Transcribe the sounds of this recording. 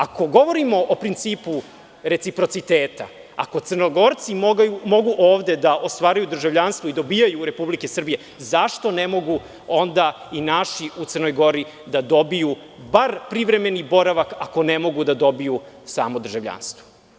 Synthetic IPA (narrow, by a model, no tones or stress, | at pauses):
ako̞ɡo̞ʋo̞ɾimo̞ʔopɾint̪siːpu | ɾe̞t̪sipɾo̞t̪sit̪eːt̪a̰ | a̰ko̞t̪srnoɡo̞ɾt̪simoɡjumo̞ɡuʔoːʋd̪e̞d̪aʔost̪ʋaːɾajud̪r̩ʒavʎaːnst̪ʋoid̪o̞bijajuɾe̞publike̞sr̩bije̞ | zaʃt̪o̞nemo̞ɡu | ond̪a | inaʃiut̪sərno̞jɡo̞ɾi | d̪ad̪o̞biju | baɾpɾiʋɾe̞me̞nibo̞ɾaʋakako̞nemo̞ɡud̪ad̪o̞biju | saːmod̪r̩ʒaʋʎa̰ːnst̪ʋo̥